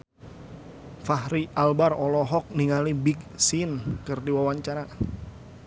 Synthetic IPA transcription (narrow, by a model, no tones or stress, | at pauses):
fahɾiʔalbarɔlɔɦɔk̚niŋalibiɡsinkɨrdiwawaɲt͡ʃaɾa